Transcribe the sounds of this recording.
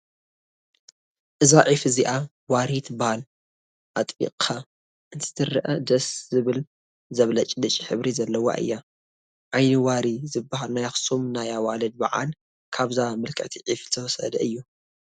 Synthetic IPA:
ʔɨzaʕifɨziʔa | waɾit̪ʰbahal | ʔat̪ʼḭqʼʰa | ʔɨnt̪ʰɨ̥t̪ʰɨɾʔɐd̪ɐszɨβɨl | zɐβlɐt͡ʃʼid̪ɐt͡ʃʼiħɨβɾizɐlːɐwa̰ʔɨ̰jːa | ʕajnɨwaɾizɨbːaɦalnajaxsumnajawalɐd̪̚ba̰ʕa̰l | kʰaβzamɨlkʰɐ̰ʕt̪ʰiʕift̪ʰɐwɐsɐ̰d̪ɐʔɨjːu

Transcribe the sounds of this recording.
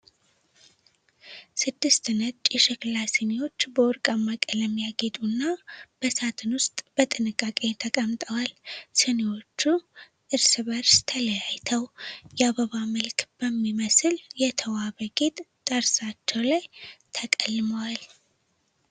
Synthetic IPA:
sɨd̪ːɨst̪ɨnət͡ʃʼjɛʃɛklasenewo̞t͡ʃːbəʊɾkʼamːakʼələmjaɡet̪ʼunːab̥əsat̪ʰɨnwʊst̪ʼb̥ət̪ʼɨnɨkʼːakʼe̞t̪ʰəkʼəmt̪ʼəwalsənewo̞t͡ʃːu | ʔɨɾsɨβəɾst̪ʰələjajt̪ʰəwjɛaβəβaməlkb̥əmːiməsɨljɛt̪ʰəwaβəɡʼet̪ʼt̪ʼəɾsat͡ʃːɛwlajt̪ʰəkʼəlːməwal

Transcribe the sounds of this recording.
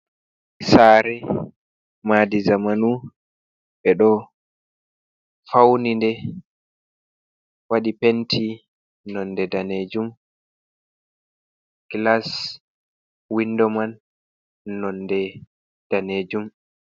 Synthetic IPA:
saːɾɛ | madizamanu | ɓɛɗɔ | fawnindɛ | waɗipentʰi | nɔndɛdaned͡ʒum | ɡ̥las | windɔmanː | ɔndɛ | d̥aneːd͡ʒum

